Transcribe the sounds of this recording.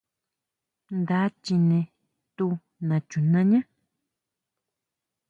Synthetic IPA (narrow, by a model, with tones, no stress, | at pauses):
nd̪a˨˦t͡ʃi˧nẽ˧ | t̪u˧ | nã˨t͡ʃu˨nã˧ɲã˦